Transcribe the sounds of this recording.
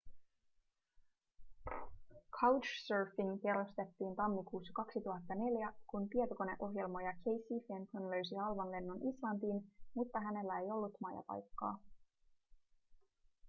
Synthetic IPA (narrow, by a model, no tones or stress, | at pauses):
kʰɑwt͡ʃsøːfiŋkeɾust̪e̞t̪ːiːnt̪ɑmːikuːsːɑ̥kɑksit̪uɦɑt̪ːɑne̞ljækunpie̞t̪oko̞ne̞̰ʔo̞ɦje̞lmo̞jɑkʰe̞jsːifent̪onlø̞ɥs̬ihɑlʋɑnle̞nːunʔislɑnt̪iːnmut̪ːɑɦæne̞lːæe̞jo̞lːut̪mɑːjɑ̰pɑ̰jkːɑ̰ː